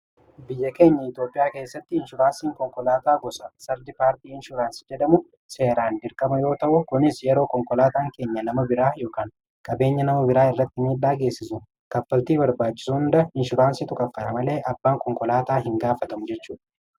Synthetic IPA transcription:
bɪjːɐke̞ːɲːɐɪt̪jo̞ːpʼːɪjaːke̞ːsːɐt̪ːɪhɪnʃʊɾaːnsiːŋkɔŋkʼɔlaːt̪aːɡɔsɐsɐɾd̪ɪpaːɾt̪iːɪnʃʊɾaːnsɪ̥d͡ʒɛd̪ɐmʊ | se̞ːɾaːnd̪ɪɾkʼɐmɐjo̞ːt̪ɐʔʊkʊnɪsjɛɾo̞ːkɔŋkʼɔlaːt̪aːŋke̞ːɲːɐnɐmɐbɪɾaːjo̞ːkaːŋ | kʼɐbeːɲːɐnɐmɐbɪɾaːɪrːɐt̪ːɪmiːᶑaːɡe̞ːsːɪsʊ | kɐfːɐlt̪iːbɐɾbaːt͡ʃːɪ̥suhʊnd̪ɐɪnʃʊɾaːnsɪt̪ʊkʼɐfːɐt̪ɐmɐle̞ːʔɐbːaːŋkʼɔŋkʼɔlaːt̪aːɦɪŋɡaːfɐt̪ɐmʊd͡ʒɛt͡ʃːuːᶑɐ̥

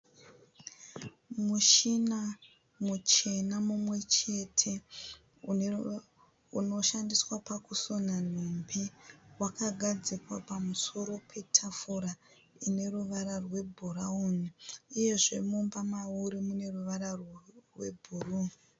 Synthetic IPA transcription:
muʃina | mut͡ʃe̞namumwe̞t͡ʃe̞tʰe̞ | u | uno̞ʃandiswapakuso̞nan̤ombewakaɡʱad͡zikwa̰pamuso̞ɾo̞pʰe̞tʰafuɾa | ine̞ruʋaɾarwe̞bʱuraoniije̞ʐe̞mumbamauɾimune̞ruʋaɾarrwe̞̰bʱuru

